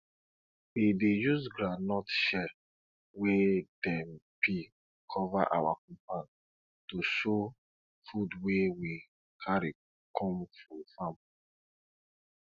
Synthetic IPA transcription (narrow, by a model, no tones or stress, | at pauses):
widejusɡɹanɔtʃɛ | wedɛ̃mpi | kʰɔvaʔa̰wakɔ̃mpan | tuʃo | fudwewi | kʰaɹi | kʰɔ̃mfɹɔ̃fãm